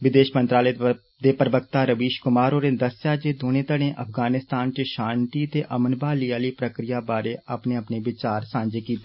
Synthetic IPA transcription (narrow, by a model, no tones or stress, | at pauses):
ʋɪd̪eːʃmənt̪ɾaːleː | d̪eːpɾəbəkt̪aːɾəʋiːʃkʊmaːɾoːɾeːd̪əsjaːd͡ʒeːd̪oːñeːt̪əɽ̃ẽːʔəpʰɡaːnɪst̪aːnt͡ʃəʃaːnt̪iːt̪eːʔəmənbaːliːaːliːpɾəkɾɪjaːbaːɾeːapneːapneːʋɪt͡ʃaːɾsãːnd͡ʒeːkiːt̪eː